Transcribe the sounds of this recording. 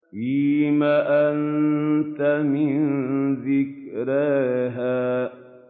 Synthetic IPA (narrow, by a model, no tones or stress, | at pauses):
iːmaʔant̪amɪnðɪkɾaɦaː